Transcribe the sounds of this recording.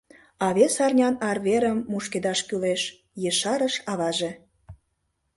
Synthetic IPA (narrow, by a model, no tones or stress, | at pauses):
ɑβesɑrnʲɑnɑrβeɾəmːuʃked̪ɑʃkyleʃ | jəʃɑɾəʃɑβɑʒe